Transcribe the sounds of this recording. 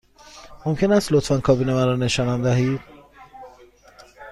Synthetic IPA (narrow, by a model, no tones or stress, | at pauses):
momcʰe̞næst̪lot̪ʰfænkʰɒːbiːnemænɾɔne̞ʃɒːnænd̪æɦiːd̪